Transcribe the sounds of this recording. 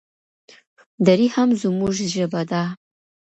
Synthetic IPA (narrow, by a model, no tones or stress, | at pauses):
d̪aɾihamzumuʒʒəbad̪a